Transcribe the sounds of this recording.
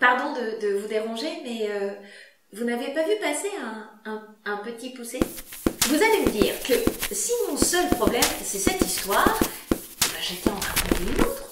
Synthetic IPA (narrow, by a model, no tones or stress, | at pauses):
paʁd̪ɔ̃d̪əd̪əvud̪eʁɑ̃ʒemɛø | vunavepavypaseɛ̃ | ɛ̃ | ɛ̃pət̪ipusevuzaleməd̪ḭːʁkəsimɔ̃sœlpχɔblɛmsɛsɛt̪ist̪waːʁ | ɛbaʒak̪ɛ̃ɑ̃t̪χãpɔ̃d̪eynot̪χ